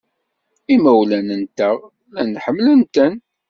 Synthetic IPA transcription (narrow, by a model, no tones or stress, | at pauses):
imæwlænənt̪əʁ | lænħəmːlənt̪ən